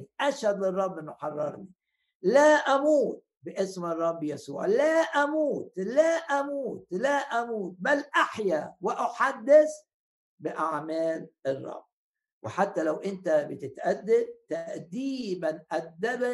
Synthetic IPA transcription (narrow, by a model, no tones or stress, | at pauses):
ʔaʃhɑd̪ˤlɨrˤːɑbːʔɪnːuħɑrˤːɑ̰ɾˤni | laʔamuːt̪̚bɪʔɪsmɨrˤːɑbːjasṵːʕlaʔamuːt̪laʔamuːt̪laʔamuːt̪̚balʔaħjawɪʔaħad̪ːɪs | bɪʔaʕmæːlʔɪrˤːɑ̰b̥ː | wɪħat̪ːalawʔɪnt̪abɪt̪ɪt̪ʔad̪ːɪb̚t̪aʔd̪iːbanʔad̪ːab